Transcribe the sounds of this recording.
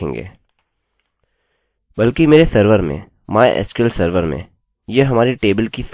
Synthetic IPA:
ḛ̃ːŋɡḛː | bɐlkimeːɾesəɾʋəɾmḛ̃ | maːḛʔɛ̰skelsəɾʋəɾmḛ̃ | jeɦɐmaːɾiʈeːbəlkis

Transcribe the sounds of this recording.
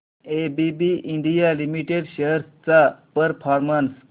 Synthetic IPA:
ebibiʔiɳɖijalimiʈeɖɕəɾst͡sapəɾfʰɔɾməns

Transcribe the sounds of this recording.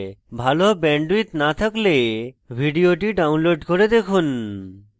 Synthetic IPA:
bʱalobɛɳɖuit̪nat̪ʰaklebʱiɖioʈiɖawnloɖkoɾed̪ekʰun

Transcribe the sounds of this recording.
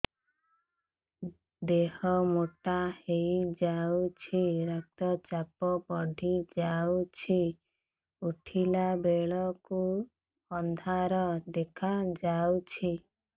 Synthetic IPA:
d̪ehɔmoʈahejd͡ʒawt͡ʃʰiɾak̚t̪ɔt͡ʃapɔpɔɖʱid͡ʒawt͡ʃʰi | uʈʰilabeɭɔku | ɔnd̪ʱaɾɔd̪ekʰad͡ʒawt͡ʃʰi

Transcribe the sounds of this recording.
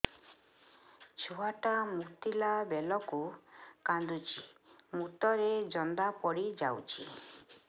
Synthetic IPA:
t͡ʃʰoaʈamut̪ilabelɔkukand̪ut͡ʃʰimut̪ɔɾed͡ʒɔnd̪apɔɽid͡ʒawt͡ʃʰi

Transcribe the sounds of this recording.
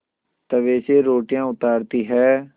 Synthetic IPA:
t̪əʋeːseːɾoːʈijãːʊt̪aːɾt̪iːɦɛː

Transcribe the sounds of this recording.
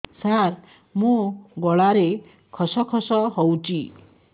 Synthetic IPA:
saɾ | mũɡɔɭaɾe | kʰɔsɔkʰɔsɔɦɔwt͡ʃi

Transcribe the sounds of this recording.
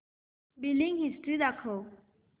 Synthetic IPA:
biliŋhisʈɾid̪akʰo

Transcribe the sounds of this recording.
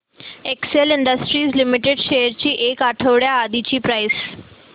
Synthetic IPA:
ekseliɳɖəsʈɾiːslimiʈeɖɕejəɾt͡ɕiːʔekaʈʰəʋɽjaːd̪it͡ɕiːpɾajs

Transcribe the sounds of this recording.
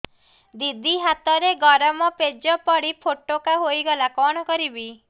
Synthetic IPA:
d̪id̪ʱiɦat̪ɔɾeɡɔɾɔmɔped͡ʒɔpɔɽipʰoʈokaɦojɡɔlakɔɽ̃ɔkɔɾibi

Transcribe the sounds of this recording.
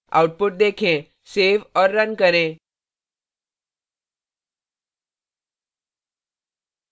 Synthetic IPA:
a̰wʈ̚puʈ̚d̪ekʰẽ | seʋɔɾːənkəɾẽ

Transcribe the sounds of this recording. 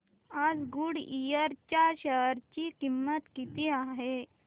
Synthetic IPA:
ad͡zɡuɽijəɾt͡ɕaɕəɾt͡ɕikimːət̪kit̪iaɦe

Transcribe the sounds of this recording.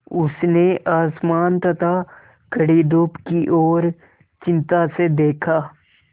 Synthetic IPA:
ʊsneʔaːsmaːnt̪ɐt̪ʰa | kəɽid̪uːpkiʔɔːɾ | t͡ʃɪ̃nt̪ased̪eːkʰaː

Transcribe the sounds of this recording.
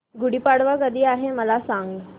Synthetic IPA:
ɡuɽiːpaɽʋakəd̪ʱiːaɦeməlasaŋɡ

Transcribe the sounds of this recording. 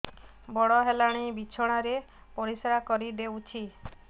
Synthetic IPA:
bɔɽɔɦelaɽ̃ijbit͡ʃʰɔɽ̃aɾe | pɔɾisɔɾakɔɾid̪ewt͡ʃʰi

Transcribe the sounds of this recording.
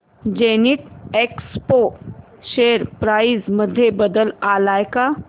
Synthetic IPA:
d͡ʒeːniʈeːkspo | ʃeːɾpɾaːɪzmɐd̪ʱːjebɐd̪əlaːlaːjka

